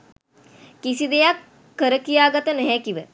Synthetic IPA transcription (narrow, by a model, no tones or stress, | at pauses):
kisid̪ejakː | əɾəkijaːɡat̪ənɛɦɛkiʋə